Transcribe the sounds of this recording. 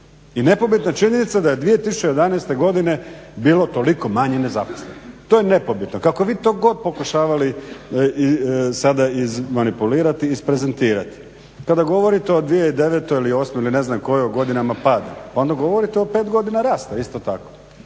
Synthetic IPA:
ine̞po̞bit̪nat͡ʃiɲe̞nit̪sad̪aje̞d̪ʋije̞t̪isu̥t͡ɕejed̪aneːst̪e̞ɡo̞d̪ine̞biːlot̪o̞liko̞maɲenezapo̥slenot̪oːjene̞pobit̪no̞kako̞ʋiːt̪o̞ːɡo̞d̪̚po̞kuʃaːʋali | isad̪aizmanipuliːɾat̪iːspɾe̞ze̞nt̪iːɾat̪i̥ | kad̪aɡo̞ʋo̞ɾit̪eo̞d̪ʋijeid̪e̞ʋet̪ojilio̞ːsmeiline̞znamko̞jeuɡo̞d̪inamapad̪a̰pao̞nd̪aɡo̞ʋo̞ɾit̪eope̞ːt̪ɡo̞d̪inaɾaːst̪aist̪o̞t̪ako

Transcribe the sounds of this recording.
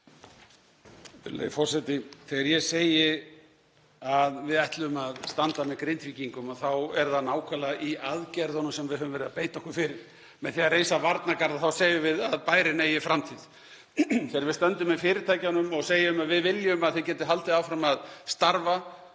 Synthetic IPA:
lḛːjfɔr̥sɛt̪ɪθɛɣaɾjɛseːjɪ | aðvɪðɛht̪lʏmaðst̪ant̪amɛðkɾejnt̪viciŋkʏmaθawɛɾðanaːwkʰɛlaʔiʔaðcɛɾðɔnːʏmsɛmvɪðɦœːvʏmvɛɾɪðapeːjt̪ɔhkʏfɪɾɪɾ̥ | mɛðθiarejsavaɾt̪nakaɾðaθawsejʏvɪðaðpaːjɾɪneːjɪfɾamt̪ʰið̥ | θɛːaɾvɪðst̪œnt̪ʏmɛðfɪːɾɪɾt̪ʰaːjcanʏmɔɣseːjʏmaðvɪðvɪljʏmaðθɪcɛːt̪ɪɦalt̪ɪðaːwfɾamaðst̪aɾva

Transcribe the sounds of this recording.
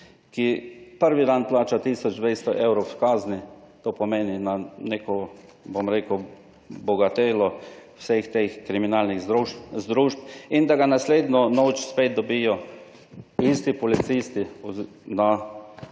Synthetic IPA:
kipəɾʋid̪anplaːt͡ʃat̪iːsɔd͡ʒd̪ʋejst̪ɔʔewɾowskaːznit̪oːpɔmeːninaneːkɔ | bomɾeːkə | bɔɡat̪eːlɔwsext̪exkɾiminaːlniɣuzd̪ɾuʃpind̪aɡanasleːd̪nɔnoːt͡ʃspeːt̪̚d̪ɔbijɔ | ist̪ipɔlit̪sist̪iɔ | na

